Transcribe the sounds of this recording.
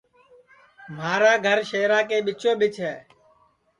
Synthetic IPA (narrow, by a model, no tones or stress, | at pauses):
maːɾaːɡʱəɾʃeːɾaːkeːɓɪt͡ʃõːɓɪt͡ʃɦɛː